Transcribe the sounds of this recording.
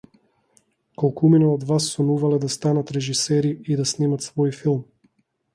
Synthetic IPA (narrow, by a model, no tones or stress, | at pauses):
kɔlˠkuminɔɔd̪vasːɔnuvalɛd̪ast̪anat̪ɾɛʒisɛɾiid̪asnimat̪svɔjfilˠm